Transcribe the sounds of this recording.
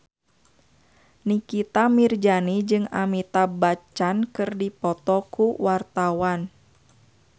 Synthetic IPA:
nikit̪amird͡ʒanid͡ʒɨŋa̰mit̪abat͡ʃankɨrdipɔt̪ɔkuwart̪awan

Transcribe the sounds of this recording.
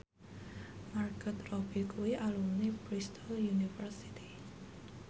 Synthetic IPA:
markət̪rɔbikuwiʔalumnibɾist̪ʰɔljunifərsi̥t̪i̥

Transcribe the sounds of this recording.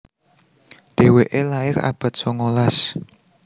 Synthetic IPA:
ɖ̪̥e̤weʔelaɪka̰b̥a̤t̪̚soŋolas

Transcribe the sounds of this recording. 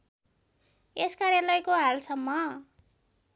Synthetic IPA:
eskarjalʌjkoɦalsʌmːʌ

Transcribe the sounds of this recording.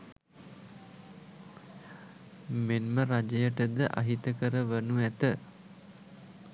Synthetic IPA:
menməɾad͡ʒəjəʈəd̪əʔa̰ɦit̪əkəɾəʋənuæt̪ə

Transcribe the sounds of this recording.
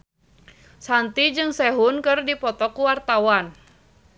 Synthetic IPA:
sant̪id͡ʒɨŋsɛɦʊnkɨrdipɔt̪ɔkuwart̪awan

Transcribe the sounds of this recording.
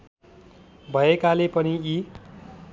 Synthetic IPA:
bʱʌekalepʌnii

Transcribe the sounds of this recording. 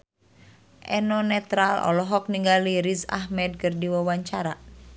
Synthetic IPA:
ʔɛnɔnɛt̪ɾalɔ̰lɔɦɔk̚niŋɡaliɾisa̰ɦmɛd̪̚kɨrdiwawaɲt͡ʃaɾa̰

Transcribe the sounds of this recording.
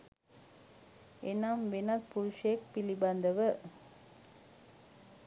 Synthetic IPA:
enaːmʋenɐt̪puɾuʂejek̚piliband̪əʋə

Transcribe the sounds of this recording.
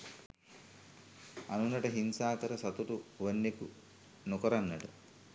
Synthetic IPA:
ɐ̰nunːɐʈɐɦinsaːkɐɾɐsɐt̪uʈuʋɐnːeku | nukɐɾɐnːɐʈu

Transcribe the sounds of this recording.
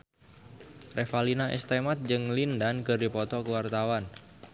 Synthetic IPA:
rʔefalinaʔɛ̰st̪emat̪̚d͡ʒɨŋlindankəɾipɔt̪ɔkəwart̪awan

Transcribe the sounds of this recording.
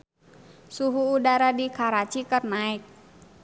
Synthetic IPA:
suɦuːdaɾadikaɾat͡ʃikərnaɪk̚

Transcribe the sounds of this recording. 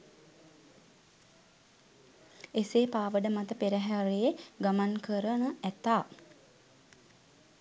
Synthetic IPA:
eseːpaːʋəɖəmat̪əpeɾəɦæɾejeɡamankəɾənəæt̪aː

